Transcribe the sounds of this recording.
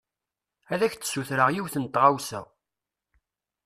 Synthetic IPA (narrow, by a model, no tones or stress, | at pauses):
æðæçt͡sːə̥suθɾəʁjiwθənt̪ːʁawsæ̰